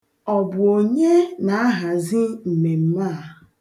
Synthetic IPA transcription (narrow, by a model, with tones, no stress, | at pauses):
ɔ˨bʊ˨o˨ɲe˦na˨a˦ɦa˨zi˦m̩˨me˨m̩˦ma˦˨